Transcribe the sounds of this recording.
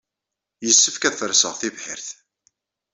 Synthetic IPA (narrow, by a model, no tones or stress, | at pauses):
jəsːəfkæθəɾsə̰ʁθivħɪ̰ɾθ